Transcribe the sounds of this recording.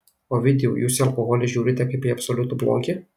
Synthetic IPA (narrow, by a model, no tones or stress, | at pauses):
oːʋʲɪd̪ʲɛjṵːjuːsʲɪɐlˠkɔɣɔlʲɪʒʲuːɾʲɪt̪ʲɛkɐɪpʲiːɐpsɔlʲʊt̪uːblˠo̰ːkʲɪ